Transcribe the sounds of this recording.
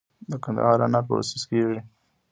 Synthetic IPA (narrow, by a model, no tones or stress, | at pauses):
d̪əkand̪a̰hɑɾanɑpə̰a̰sʊskeʐi